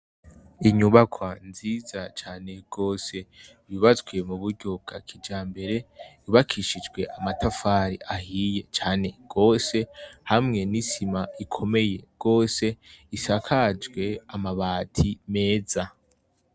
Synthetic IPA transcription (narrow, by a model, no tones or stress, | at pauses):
iɲuβakʰwanziːzat͡ʃaːne̞ɡ̥o̞ːse̞ | βiβazɡwe̞muβuɾɟob̚ɡ̥akʰid͡ʒaːmbe̞ɾe̞iβakʰiʃid͡ʒɡwe̞ʔamatafaːɾiʔahije̞t͡ʃaːne̞ɡ̥o̞ːse̞hamŋe̞nisimaikʰo̞me̞je̞ɡ̥o̞ːse̞isakʰad͡ʒɡwe̞amaβaːtʰime̞ːza